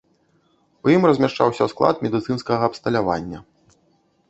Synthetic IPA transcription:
ujimrɐzʲmʲaʂt͡ʂa̰wsʲɐsklˠa̰t̪mʲɛd̪ɨt̪sɨnskɐɣɐːpst̪ɐlʲava̰nʲːɐ

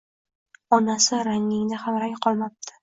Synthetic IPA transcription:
ɒnasɪɾaŋɪŋd̪aχamɾakʲqʰɒlˠmap̚t̪ʰɪ̥

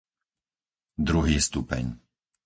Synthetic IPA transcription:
d̪ɾuɦiːst̪upɛ̰ɲ

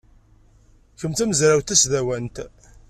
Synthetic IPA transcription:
çəmt̪æməzɾæwt̪æsðæwænt̪

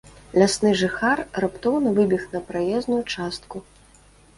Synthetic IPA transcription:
lʲasnɨʐɨxarrapt̪ɔwnɐvɨbʲixnɐpɾajɛznujut͡ʂast̪ku

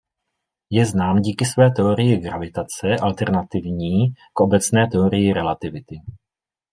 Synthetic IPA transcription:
jɛznaːmɟiːkɪsvɛːt̪ɛo̞ɾɪjɪɡɾavɪt̪at͡sɛʔalt̪ɛɾnat̪ɪvɲiːkʔo̞bɛt͡snɛːt̪ɛo̞ɾɪjɪɾɛlat̪ɪvɪt̪ɪ

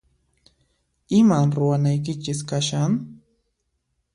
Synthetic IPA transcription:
ɪmaɾʊwanajk̬ɪt͡ʃɪskaʃaŋ

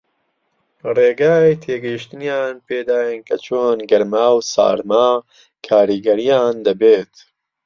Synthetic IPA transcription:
reːɡaːjt̪ʰeːɡɐjiʃt̪ɨnjaːnpeːd̪aːjənkʰɐt͡ʃʰoːnɡɐɾmaːwsa̰ːɾmaː | kʰaːɾiːɡɐɾijaːnd̪ɐbeːt̪

